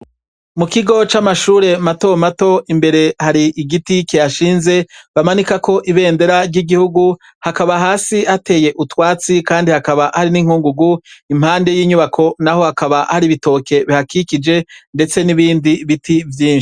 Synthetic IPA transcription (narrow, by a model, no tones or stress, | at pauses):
mukiɡo̞t͡ʃamaʃuːɾe̞mato̞mato̞imbe̞ɾe̞haɾiʔiɡitikejaʃiːnze̞βamanikako̞ʔiβe̞ːnde̞ɾaɾɟiɡihuɡu | hakaβaɦaːsiate̞ːje̞ʔutwaːt͡sikaːndihakaβaʔhaɾiniŋ̥huːŋɡuɡuim̥haːnde̞jiːɲuβakʰo̞naho̞hakaβahaɾiβito̞ke̞βihakikid͡ʒe̞nde̞t͡se̞niβiːndiβitʰivjiːnʃi̥